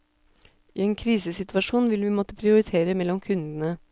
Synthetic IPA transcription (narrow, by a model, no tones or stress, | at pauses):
ʔiːeːnkʰɾiːsəsɪt̪ʋɑʂuːnʋɪlʋɪːmɔt̪əpʰɾɪʊɾɪt̪ʰeːɾəmɛlːɔmkʰʉnd̪ənə